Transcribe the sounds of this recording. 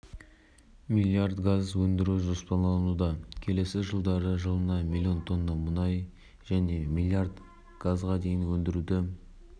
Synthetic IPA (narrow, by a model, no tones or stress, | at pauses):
mʲilʲiard̪ɡazwɵnd̪ɪɾuwʒo̞spɑnlˠɑnud̪ɑkʲʰe̞le̞sɪʒəlˠd̪ɑɾəʒəlˠənɑmʲilʲːio̞nt̪ʰo̞nːɑmʊnɑj | ʒ̥æne̞mʲilʲiard̪ | ɡ̥azʁɑd̪e̞jɪnwɵnd̪ɪɾud̪ɪ